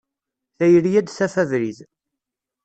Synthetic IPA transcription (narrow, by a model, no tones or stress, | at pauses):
θæjəɾjæd̪sæfæðɾið